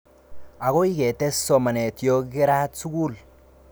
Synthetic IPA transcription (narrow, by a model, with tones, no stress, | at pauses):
a˨ko˦i˦ke˨te˦so˨ma˨ne˨tijo˦ɡe˦ɾa˦tsu˦ɡu˦l